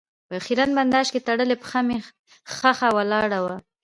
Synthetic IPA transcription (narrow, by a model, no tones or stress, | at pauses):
pəaxiɾanband̪ɑʃket̪aɽəlepə̥xame | xaxawalɑɽawa